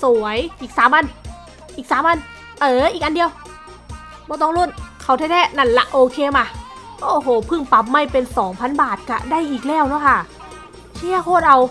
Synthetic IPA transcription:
su˨˩˦əjʔiː˨˩k̚saː˨˦mʔa˧n | ʔiː˨˩k̚saː˨˦ma˧˨n | ʔɤː˧˩ʔiː˨˩k̚ʔa˧ndi˧əw | bɔː˧˦t̪ɔː˧˥˩ŋlo˧˥˩nkʰa˧˩wt̪ʰɛː˧˥˩t̪ʰɛː˧˥˩na˧˥˩nla̰˧˩ʔoː˧kʰeː˧maː˧ʔoː˨˧˩hoː˨˩˦pʰɯ˧˩ŋpa˨˩p̚ma˧˥˩jpe˧nsɔː˩˦ŋpʰa˧˥˨nbaː˨˩t̪̚ka̰˧˩da˥˩˨jʔiː˨˩k̚lɛː˧˥˩wnɔː˧˩kʰa˧˥˩ | t͡ɕʰi˧˥˩əkʰoː˥˩t̪̚ʔa˧w

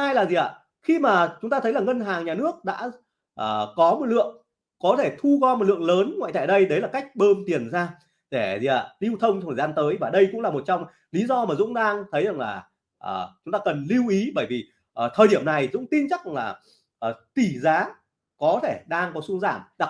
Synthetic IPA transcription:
ʔaː˧jlaː˨˩zi˨˩ʔa̰ː˧˨ | xi˧maː˨˩t͡ɕʊ˨˦ŋ͡mt̪aː˧t̪ʰə˨˦jlaː˨˩ŋə˧nɦaː˨˩ŋɲaː˨˩nɨ˦˥ək̚ɗa̰ː˧˥ | ʔəː˨˩kɔ˨˦mo˨˩t̚lɨ̰˧˨əŋ | kɔ˨˦t̪ʰe˧˩t̪ʰu˧ɣɔ˧m˨˩t̚lɨ̰˧˨əŋləː˨˦nŋwa̰ː˧˨jt̪aː˧˩ɗə˧jɗə˨˦jlaː˨˩ka˦˥jk̟̚ɓəː˧mt̪i˨˩ənzaː˧ | ɗe˧˩zi˨˩ʔa̰ː˧˨li˧wt̪ʰə˧wŋ͡mt͡ɕɔ˧ə˨˩aː˧nt̪əː˨˦jvaː˨˩ɗə˧jkʊ̰˧˥ŋ͡mlaː˨˩mo˨˩t̚t͡ɕɔ˧wŋ͡m | li˨˦zɔ˧maː˨˩zʊ̰˧˥ŋ͡mɗaː˧ŋt̪ʰə˨˦jza˨˩ŋlaː˨˩ | ʔəː˨˩t͡ɕʊ˨˦ŋ͡mt̪aː˧kə˨˩nli˧wʔi˨˦ɓəː˧˩jvi˨˩ | ʔəː˨˩t̪ʰəː˨˩jɗi˧˩əmna˨˩jzʊ̰˧˥ŋ͡mt̪i˧nt͡ɕa˦˥k̚ŋlaː˨˩ | ʔəː˨˩t̪i˧˩zaː˨˦ | kɔ˨˦t̪ʰe˧˩ɗaː˧ŋkɔ˨˦su˧ŋzaː˧˩mɗa˨˩

